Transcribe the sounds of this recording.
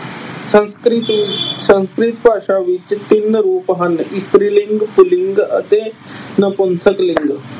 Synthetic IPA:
sɐnskɾit̪sɐ̃nskɾit̪paːʃaʋit͡ʃt̪inːɾoːpəɦɐnist̪ɾiliŋɡpuliŋɡɐ̰t̪enɐponsəklɪŋɡ

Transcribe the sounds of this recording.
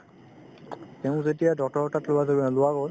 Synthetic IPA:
tɛʊ̃zetijadɔk̚tɔɹɔtatlʊwazoblʊwaɡol

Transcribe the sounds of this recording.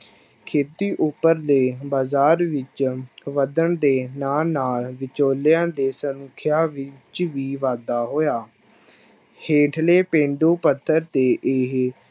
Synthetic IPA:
kʰeːt̪iːʔʊpːəɾd̪eːbaːzaːɾʋɪt͡ʃʋəd̪əɳd̪eːnaːlnaːlʋɪt͡ʃoːljãːd̪eːsənʊkʰjaːʋɪt͡ʃʋiːʋaːd̪aːɦoːjaː | heːʈʰleːpẽːɳɖoːpət̪ʰːəɾt̪eːʔɪɦ

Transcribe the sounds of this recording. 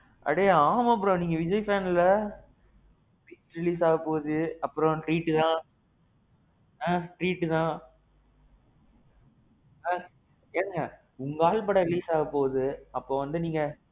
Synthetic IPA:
ʔɐ̰ɽejaːmɐp̬ːɯɽõniːŋɡɐʋɪd͡ʒɐɪfeːnlɐ | iːsɾɪliːs̬aːɣɐpoːðɯɐpːɯɾɔ̃ʈɾiːʈːɯt̪ãː | ãːʈɾiːʈːɯt̪ãː | ãː | eːnɯŋɡɐ | ʊŋɡɐaːɭpɐɽɐɾɪliːsaːɣɐpːoːðɯɐpːoːʋɐnd̪ɯniːŋɡɐ

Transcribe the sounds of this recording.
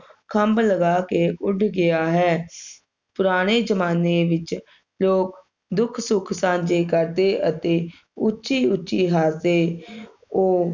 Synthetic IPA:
kʰəmbləɡaːkeːʔʊɖɡɪaːɦɛː | pʊɾaːɽ̃eːd͡ʒəmaːneːʋɪt͡ʃ | loːk | d̪ʊkʰsʊkʰsãːɲd͡ʒeːkəɾd̪eːʔət̪eː | ʊtːʃiːʊt͡ʃːʃiːɦaːseː | oː

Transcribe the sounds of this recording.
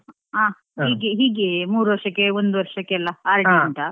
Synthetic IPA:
aː | hiːɡeɦiːɡemuːɾuʋɐɾʂɐkːeond̪uʋɐɾʂɐkːeɐlːɐaːɾɐʈiɐɳʈ̪ɐ

